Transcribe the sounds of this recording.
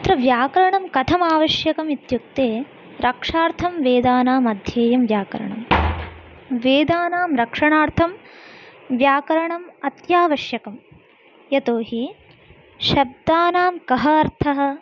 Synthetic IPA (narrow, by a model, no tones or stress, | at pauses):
t̪ɾɐʋjaːkɐɾɐɳɐmkɐt̪ʰɐmaːʋɐʃjɐkɐmit̪juk̚t̪eː | ɾɐkʂaːɾt̪ʰɐmʋeːd̪aːnaːmɐd̪ʱjeːjɐmʋjaːkɐ̰ɾɐ̰ɳɐm | ʋeːd̪aːnaːmɾɐkʂɐɳaːɾt̪ʰɐm | ʋjaːkɐɾɐɳɐmɐt̪jaːʋɐʃjɐkɐm | jɐt̪oːɦi | ʃɐb̚d̪aːnaːmkɐɦɐɐɾt̪ʰɐɦɐ̆